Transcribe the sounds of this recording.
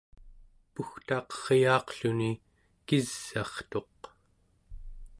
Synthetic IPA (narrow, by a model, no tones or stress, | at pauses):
puxt̪ɑːqʌ̥ʁjɑːqɬuni | kiz̥ːɑχt̪o̞q